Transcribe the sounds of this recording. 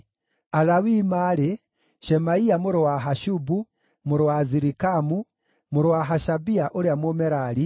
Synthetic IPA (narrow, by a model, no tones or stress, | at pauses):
alawimaɾɛ | ʃɛmaiamuɾowaɦaʃubu | muɾwaziɾikamu | muɾwaɦaʃabiaʔoɾjamomɛɾali